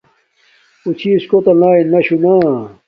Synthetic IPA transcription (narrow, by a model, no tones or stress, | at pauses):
ut͡ɕʰiskot̪ɐlaːinɐɕunaː